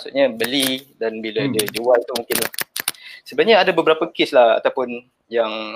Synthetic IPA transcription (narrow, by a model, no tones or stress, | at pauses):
masṵʔɲabəlidanbiladad͡ʒuwalit̪umũŋkɪnlahsəbaɲaadabəbəɾapəkeslaha̰t̪awpʊn | jaŋ